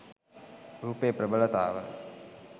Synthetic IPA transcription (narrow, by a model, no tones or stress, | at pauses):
ɾuːpepɾəbələt̪a̰ːʋə̰